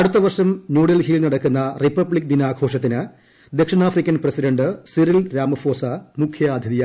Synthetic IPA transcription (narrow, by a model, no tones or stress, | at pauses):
ɐɽut̪ːɐʋɐrʂɐmnjuːɽɐlɦilnɐɽɐkːunːɐripːɐbɭikʲːd̪inaːɡʰʱo̞ːʂɐt̪̬ːinɨ | d̪ekʂinaːfrikʲːɐnprɐsidɐɳɖɨsiɾilɾaːmɐfoːsɐmukʰjɐaːd̪ʱjɐðijɐ